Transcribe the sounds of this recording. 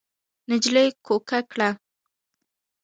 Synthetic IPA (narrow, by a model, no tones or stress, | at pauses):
nɪd͡ʒlejkokakɽa